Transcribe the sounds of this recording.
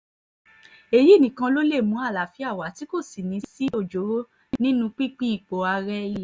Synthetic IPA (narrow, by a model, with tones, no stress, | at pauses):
e˨ji˦˨nĩ˨˦kã˧lo˦le˦˨mũ˨˦a˦˨la˨fi˦a˦˨wa˨ti˨˦ko˦˨si˨nĩ˨˧˦si˦o˦˨d͡ʒo˨˦ɾo˦ | nĩ˦nũ˧k͡pi˦k͡pĩ˦i˦˨k͡po˨a˧ɾɛ˦i˦lɛ˨